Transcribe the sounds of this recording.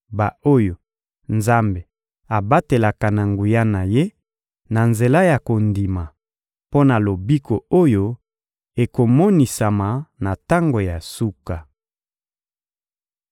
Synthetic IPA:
ba˨o˦jo˨ | nza˦mbe˨ | a˨ba˦te˨la˨ka˨na˨ŋɡu˨ja˦na˨je˦ | na˨nze˨la˦ja˨ko˨ndi˨ma˨ | po˦na˨lo˨bi˦ko˨o˦jo˦ | e˨ko˨mɔ˦ni˨sa˨ma˨na˨ta˦ŋɡo˨ja˨su˦ka˨

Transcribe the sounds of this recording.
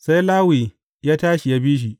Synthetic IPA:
sa˦jlaː˦wi˨ | jaː˦taː˦ʃi˨jaː˦biː˦ʃ̬i˨ʔ

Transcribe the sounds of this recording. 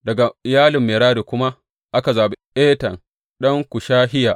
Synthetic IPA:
dɐ˨ɡa˨ɪ˨jaː˦lɪ˨mːeː˨ɾaː˦ɾiː˨kʷʊ˦ma˦ʔ | ʔa˦ka˨zaː˨bi˦ʔeː˦tɐ˨ŋ | ɗɐ˦ŋkʷʊ˨ʃaː˦ɦɪ˦jaː˨ʔ

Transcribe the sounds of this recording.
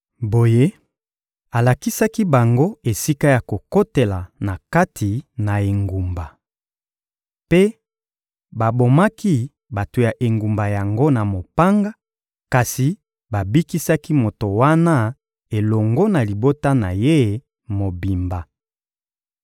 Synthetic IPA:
bo˨je˦ | a˨la˨ki˦sa˦ki˦ba˨ŋɡo˦e˨si˦ka˦ja˨ko˨ko˦te˨la˨na˨ka˦tʰi˨na˨e˨ŋɡu˨mba˨ | pe˦ | ba˨bo˨ma˦ki˦ | ba˨to˨ja˨ʔe˨ŋɡu˨mba˨ja˨ŋɡo˦na˨mo˨pa˦ŋɡa˦ | ka˨si˨ | ba˨bi˦ki˦sa˦ki˦mo˨to˨wa˦na˦ | e˨lɔ˨ŋɡɔ˦na˨li˨bo˦ta˦na˨je˦˨ | mo˨bi˨mba˨

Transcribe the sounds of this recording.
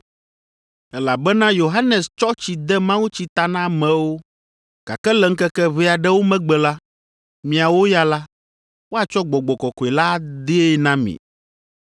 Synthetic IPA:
ɛ˦la˨bɛ˦nã˦jo˨ɦa˦nɛ˨st͡ʃɔ˦t͡ɕi˨d̪ɛ˦mã˦wu˦t͡ɕi˦t̪a˨nã˦˨mɛ̃˨wo˦ | ɡ̥a̰˨kɛ˦lɛ˨ŋ̩˦kɛ˦kɛ˦βe˦a˨ɖɛ˦wo˦mɛ̃˦ɡ͡bɛ˨la˦ | mĩ˨a˨wo˦ja˨la˦ | wo˦a˨t͡ʃɔ˦ɡ͡bɔ˨ɡ͡bɔ˨kɔ˨kɔ˨e˨la˦d̪e˦e˦nã˦mḭ̃˨

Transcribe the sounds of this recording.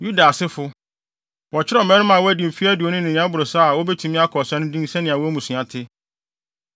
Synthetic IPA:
ju˦da˨sɪ˦fʊ˦ | wɔ˨t͡ɕʰɪ˦ɾɛ˦˨mɛ̃˦nʊ̃˦mã˨wɔ˦æ˦dĩ˨m̩˨fi˦æ˦dɪ˨o˦nʊ̃˦nɪ̃˨ɲ̃˨˦ã˦bʊ˨ɾo˨sa˦˨wɔ˦bɛ˦tʰu˨mɪ̃˦a˦kʰɔ˨sã˦nʊ̃˦dĩ˦ŋ˦sɛ̃˦nɪ̃˨a˨wɔ˦æ˦mũ˨sɥã˨tʰɪ˦

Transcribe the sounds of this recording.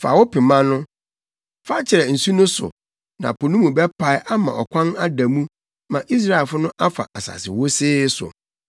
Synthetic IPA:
fa̰˨wʊ˦pʰɪ˨mã˦nʊ̃˦ | fa˦t͡ɕʰɪ˨ɾɛ˨n̩˨su˦nʊ̃˦sʊ̰˨ | nã̰˨pʰo˨nũ˦mũ˨bɛ˦pʰa˨ɪ˦ʔa˦mã̰˨ʔɔ˨kʷʰã˦na˦da˨mũ˦ | mã˨ʔi˦s̬ɾa˦ɛ˨fʊ˦nʊ̃˦ʔa˦fa̰˨ʔa˨sa̰˨sɪ̰˨wo˦sɪː˦sʊ̰˨

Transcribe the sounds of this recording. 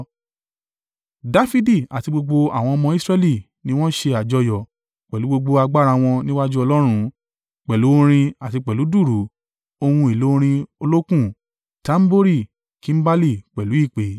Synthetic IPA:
da˦fi˦di˦˨a˨ti˧ɡ͡bo˧ɡ͡bo˧a̰˨w̃ɔ̃˧ɔ˧mɔ̃˧˦i˦sɾɛ˦˧li˦˨ | nĩ˦w̃ɔ̃˦ʃe˧a˨d͡ʒɔ˧˦jɔ˨ | k͡pɛ˨lu˨˦ɡ͡bo˧ɡ͡bo˧a˧ɡ͡ba˦˨ɾa˧w̃ɔ̃˧nĩ˦wa˦d͡ʒu˦ɔ˧lɔ˦ɾ̃ũ˧˦ | k͡pɛ˨lu˨˦o˦ɾ̃ĩ˧a˨ti˧k͡pɛ˨lu˨˦du˦˨ɾu˨˦ | o˧hũ˧e˨lo˨˦o˦ɾ̃ĩ˧o˧lo˦kũ˦˨ | tã˨˦m̩˦bo˦ɾi˦˨ | ki˨˦m̩˦ba˦li˦˨k͡pɛ˨lu˨˦i˦˨k͡pe˨˦

